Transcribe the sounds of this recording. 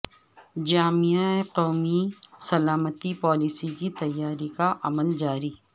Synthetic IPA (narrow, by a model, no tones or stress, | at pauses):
d͡ʒaːmiaeqɔːmisɐlaːmət̪ipɔːlisikit̪ɐjːaːɾikaʔɐməld͡ʒaːɾiː